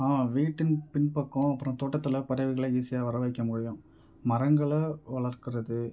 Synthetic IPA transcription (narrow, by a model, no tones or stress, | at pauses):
aːmãʋiːʈːɪnpɪnpɐkːʊ̃ɐpːɯɾɔ̃t̪oːʈːɐt̪ːɪlɐpɐɾɐʋɪɣɐɭɐiːsɪjaːʋɐɾɐʋɐɪkːɐmʊɽɪjʊ̃ | mɐɾɐŋɡɐɭɐʋɐɭɐɾkɪɾɐðɯ